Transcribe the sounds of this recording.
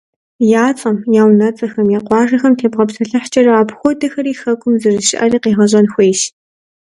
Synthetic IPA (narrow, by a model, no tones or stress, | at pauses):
jaːt͡sʼɐmjaːwnɐt͡sʼɐxɐmjaːqʷɑːrɐxɐmtʰeːbʁɐpsɐɬɐħt͡ʃʼɐrɐaːpxʷɔdɐxɐɾiːxɐkʷʼʊmzɨrɨʃɪ̰ʔɐriːqeːʁɐʑʼɐnxʷeːjʃ